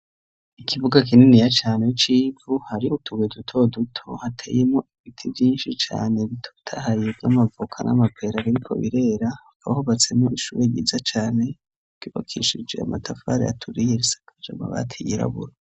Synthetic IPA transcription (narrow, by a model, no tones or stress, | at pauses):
ikʰiβuɡak̬ininijat͡ʃaːne̞it͡ʃiːvuhaɾiutʰuɡedutʰo̞dutʰo̰hatʰe̞̰ːje̞mŋoiβitʰivjiːnʃit͡ʃa̰ːneβitʰo̥tʰahajevjamavukʰanʔa̰mapʰe̞ɾaβiɾikʰo̞̰βiɾe̞ːɾa | kaβahuβat͡se̞moʔiʃuβeɟizat͡ʃaːne̥ | uːβa̰kʰḭʃid͡ʒḛa̰matʰafa̰ɾḛja̰tʰuɾijeɾisḁkʰad͡ʒa̰ma̰βa̰tʰijiɾa̰βuɾo